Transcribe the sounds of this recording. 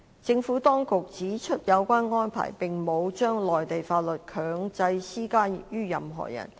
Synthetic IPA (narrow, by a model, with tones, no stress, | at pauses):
t͡sɪ˧ŋfuː˨˥t̪ɔː˥ŋkʊ˨k̚t͡siː˨˥t͡ʃʰɵ˥t̚jɐ˨˧wkʷaː˥nŋɔː˥npʰa̰ː˨˩jpɪ˨ŋmo˨˧wt͡ʃœː˥ŋlɔː˨jt̪e˨jfaː˧t̚lɵ˨˩t̚kʰœː˨˥ŋt͡sɐ˧jsiː˥kaː˥jyː˥jɐ˨mɦɔ̰ː˨˩jɐ̰˨˩n